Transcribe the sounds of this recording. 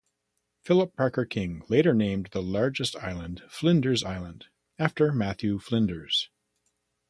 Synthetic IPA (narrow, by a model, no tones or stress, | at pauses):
fɪlˠəpʰɑɹkə˞kʰɪ̃ŋleɪɾə˞nẽɪ̃mðəlɑɹd͡ʒɨstʰa̰ɪlˠə̃nd̥flɪ̃ndə˞zaɪlˠə̃nd | æftə˞mæθjʉflɪ̃ndə˞z̥